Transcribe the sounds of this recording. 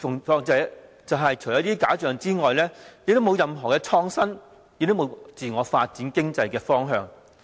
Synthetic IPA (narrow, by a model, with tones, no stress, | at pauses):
fʊ˨˩ŋfɔː˧ŋt͡sɛ˨˧˥ | t͡sɐ˨wɦɐ˨jt͡ʃʰɵ˨˩jɐ˨˥t̪iː˥kaː˨˥t͡ʃœː˨ŋt͡siː˥ŋɔː˨jlɛː˥jɪ˨˧k̚t̪o˥mo˨˧wjɐ˨mɦɔː˨˩kɛː˧t͡sʰɔː˧ŋsɐ˥n | jɪ˧k̚t̪o˥mo˨˧wt͡siː˨ŋɔː˨˧faː˧t̚t͡siː˨˥nkɪ˥ŋt͡sɐ˧jkɛː˧fɔː˥ŋɦœː˨˧ŋ